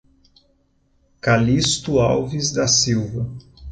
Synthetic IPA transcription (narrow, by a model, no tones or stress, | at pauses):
kalist̪ʊa̰wvizd̪ɐsiwvɐ